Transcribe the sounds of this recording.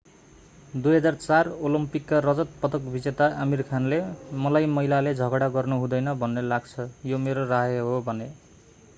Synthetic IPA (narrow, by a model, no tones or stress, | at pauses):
d̪ujɦʌd͡zart͡sarolimpikːarʌd͡zʌt̪̚pʌt̪ʌkbʱid͡zet̪aʔamirkʰanlemʌlajmʌilaled͡zʱʌɡɽaɡʌrnuɦũd̪ʌjnʌbʱʌnːelaɡt͡sʰʌjomeɾoraɦjɦobʱʌne